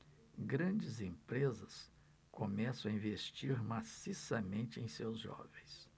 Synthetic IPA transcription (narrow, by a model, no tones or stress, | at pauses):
ɡɾɐ̃d͡ʒɪzẽmpɾezɐs | komɛsɐ̃w̃ɐĩvest͡ʃiɾmasisɐmẽnt͡ʃɪẽj̃sewzʒɔ̰vẽj̃s